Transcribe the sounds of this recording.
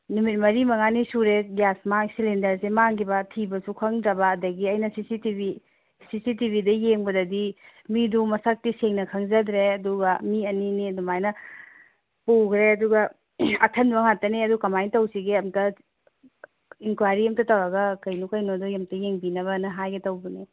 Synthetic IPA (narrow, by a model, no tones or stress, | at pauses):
numit̚mɐɾimɐŋanisuɾeɡjasmaŋsilendɐɾsemaŋɡibɐtʰibɐsukʰɐŋdɾɐbɐːdɐɡiɐjnɐsisitibi | sisitibʱidɐjeŋbɐdɐdimidumɐsak̚tiseŋnɐkʰɐŋzɐdɾeɐduɡɐmiɐninidumajnɐ | puɡɾeɐduɡɐ | ɐtʰɐnbɐŋhatːɐneɐdukɐmajntɐwsiɡeɐmtɐ | iŋkwajɾiɐmtɐtɐwɾɐɡɐkɐjnukɐjnodujɐmtɐjeŋbinɐβɐnɐɦajɡetɐwbɐni